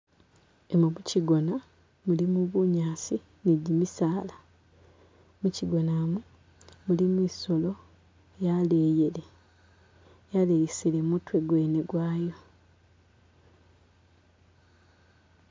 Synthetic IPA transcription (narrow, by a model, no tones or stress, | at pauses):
emumuciɡo̞na | mulimuβuɲaːsi | niɟimisaːla | muciɡo̞naːmu | mulimwiso̞lo̞ | jaleːjele | jalejisilemutwe̞ɡwe̞ːneɡwaːjo